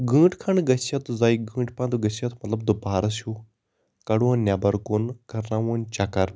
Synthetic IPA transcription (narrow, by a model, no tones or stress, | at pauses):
ɡɨ̃ːʈkʰɐɳɡɐt͡ʃɐt̪uzaːiɡɨ̃ːʈpãnd̪uɡɐt͡ʃɐt̪mɐt̪lɐbd̪upaːɾɐsu | kɐɽuɐnʲːjaːbɐɾkonkɐɾnaːʋunt͡ʃakɐɾ